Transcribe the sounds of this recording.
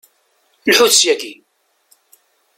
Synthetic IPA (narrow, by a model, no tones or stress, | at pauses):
lħuθsjæki